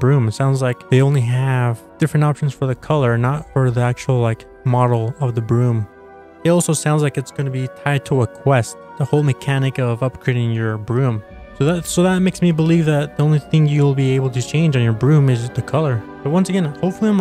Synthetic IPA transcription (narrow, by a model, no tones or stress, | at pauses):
bɹʉ̃mtsãʊ̃ndzlaɪkðeɪõʊ̃nliɨvd̥ɪfɹɨ̃ntɑpʃn̩z̥fə˞ðɨkʰʌlˠə˞nətfə˞ðiæk̚t͡ʃul̩ˠlaɪk | mɑɾl̩ˠʌvðɨbɹʉ̃m | ɨɾɔlˠsoʊsãʊ̃ndzlaɪkɨtsɡ̥ʌ̃nɨbitʰaɪd̚tʰəəkʰw̥ɛstʰ | əhoʊlˠmɨkʰænɨkʌvʌp̚kʰɹ̥ɪɾɪ̃ŋjə˞bɹʉ̃m | soʊðətsoʊðət̚meɪksmibəlivðɨt̪̚ðiõʊ̃nliθɪ̃ŋjɨwl̩ˠbieɪbl̩ˠtʰɨt͡ʃʰẽɪ̃nd͡ʒ̃njə˞bɹʉ̃mɪzðɨkʰʌlˠə˞b̥ʌt̚wʌ̃nsɨɡɛ̃nhoʊpfl̩ˠiə̃m